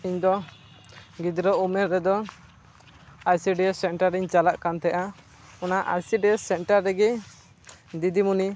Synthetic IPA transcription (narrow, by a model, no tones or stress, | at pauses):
iɲd̪ɔ | ɡid̪ɾɔumɛɾːɛd̪ɔ | ajsiɖisɛnʈaɾiɲt͡ʃalaʔkant̪ɛʔa | ɔnaʔajsiɖisɛnʈaɾːɛɡɛ | d̪id̪imuni